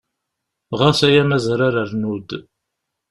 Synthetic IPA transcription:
ʁasæjæmæzɾaɾəɾnud̪

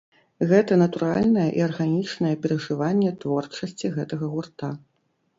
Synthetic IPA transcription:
ɣɛt̪ɐnɐt̪uɾa̰lʲnɐjɐʔiɐrɣanʲit͡ʂnɐjɛpʲɛɾɐʐɨvanʲːɛt̪vɔrt͡ʂɐsʲt͡sʲiɣɛt̪ɐɣɐɣurt̪a

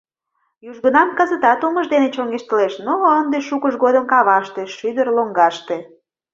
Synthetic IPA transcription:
juʒɣənɑmkəzət̪ɑt̪oməʒd̪enet͡ɕoŋɡeʃt̪əleʃnoənd̪eʃukəʃɡod̪əmkɑβɑʃt̪eʃyd̪ərloŋɡɑʃt̪e

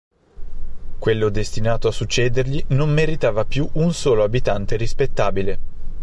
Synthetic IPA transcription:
kwelːod̪est̪inaːt̪oasut͡ʃːɛːd̪erʎinommeɾit̪aːvapjuʔunsoːloabit̪ant̪eɾispet̪ːaːbile

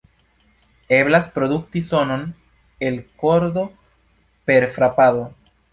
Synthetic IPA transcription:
eβlaspɾoðuk̚t̪isonon | elkoɾðo | peɾfɾapaðo

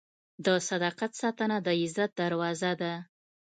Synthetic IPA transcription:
d̪əsad̪ɑqat̪sɑt̪ənad̪əɪzat̪̚d̪aɾwɑzad̪a

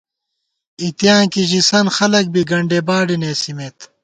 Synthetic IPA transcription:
it̪jaːkiʑisɐnxɐlɐk̚biɡɐɳɖebaːɖineːsimeːt̪

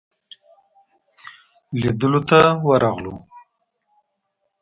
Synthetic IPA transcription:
lid̪əlot̪awəɾaɣlo̰

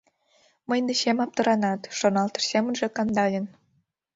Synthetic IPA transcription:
mə̆jnd̪ĕɕemɑp̚t̪ɤ̆ɾɑnɑt̪ʃonɑlt̪ɤ̆rsemə̆nʒĕkɑnd̪ɑlʲə̆n

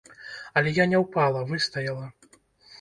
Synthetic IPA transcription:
ɐlʲɛjanʲɛwpalˠɐvɨst̪ɐjɐlˠɐ

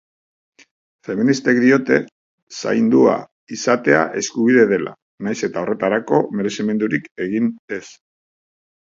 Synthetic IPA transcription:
fe̞minist̪e̞k̚d̪io̞t̪e̞ | sa̰jnd̪ua̰ | isat̪e̞a̰ʔe̞skuβiðe̞ðe̞la̰ | najse̞t̪ao̞re̞t̪aɾako̞me̞ɾe̞sime̞nd̪uɾike̞ɣ̞ine̞s

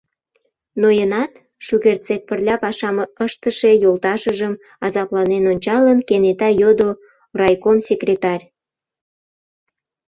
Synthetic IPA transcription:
nojənɑt̪ | ʃuɣert̪t͡sek̚pərlʲɑpɑʃɑməəʃt̪əʃe̽jolt̪ɑʃəʒəm | ɑzɑplɑnenonʲt͡ɕɑlənkenet̪ɑjod̪o | rɑjkomsʲekrʲet̪ɑrʲ

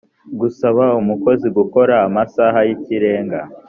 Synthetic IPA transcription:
ɡusaβaumuko̞ziɡuko̞ɾaːmasaɦajiciɾe̞ːŋɡa

